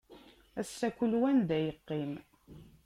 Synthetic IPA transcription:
æsːækʷulwænd̪æjəqːim

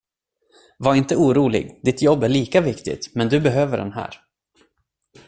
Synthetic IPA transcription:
vaɾɪnt̪əuːɾuːlɪ̰ɡd̪ɪt̪jɔbːæɭiːkavɪkt̪ɪ̰t̪mɛnd̪ɵbɛɦøːvəɖɛ̰nɦæ̰ːɾ

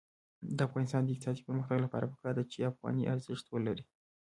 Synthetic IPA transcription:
d̪əafɣɑnist̪ɑnd̪ik̚t̪ʰat̪i̥pəɾməxt̪əɡlapa̰ɾəpə̥kɑɾd̪ət͡ʃiafɣɑ̰niʔaɾziʃt̪wələɾi

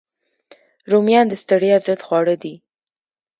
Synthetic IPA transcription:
ɾumjɑnd̪əst̪əɽijɑzət̪xwɑɽəd̪i

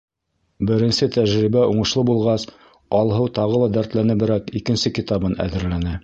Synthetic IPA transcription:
bɘ̆ɾɘ̆nsɘt̪æʒɾibæuɴɤ̆ʃlˠɤbulˠʁɑs | ɒlˠɦɤwt̪ɑʁɤlˠɑd̪æɾt̪lænɘbɘ̆ɾækikɘ̆nsɘkit̪ɑbɤnæ̰ðɘ̆ɾlænɘ

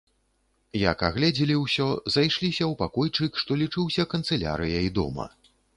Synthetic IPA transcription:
jakaɣlʲɛd͡zʲilʲiwsʲɔzajʂlʲisʲɐwpakɔjt͡ʂɨkʂt̪ɔlʲit͡ʂɨwsʲɐkɐnt̪sɛlʲa̰ɾɨjɐid̪ɔ̰mɐ̰

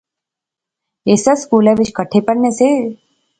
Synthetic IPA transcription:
eːsəskuːlɛ̃ʋɪt͡ʃkəʈʰepəɽnese

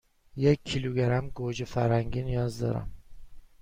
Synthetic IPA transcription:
jekʰːiluɡæɾæmɡod͡ʒifæɾhæŋinjɒzd̪ɒ̰ɾa̰m

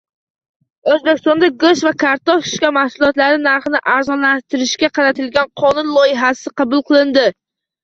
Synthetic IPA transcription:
ɵzbekʲɪst̪ɒnd̪aɡoʃvakʰaɾt̪ɒʃʃkʲamahsʊlˠɒt̪laɾɪnaɾχɨnɪʔaɾzɒnlat̪ʰɪɾɪʃkʲaqʰɑɾat̪ʰɪlɡʲanqʰɒnʊnlˠɒjɪɦasɪqʰɑbʊlˠqʰɨlˠɪnd̪ɪ

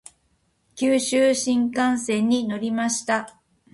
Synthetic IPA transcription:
kʲɨːɕɨːɕĩŋkãɰ̃sẽ̞ɲ̟ːino̞ɾʲimaɕi̥t̪a

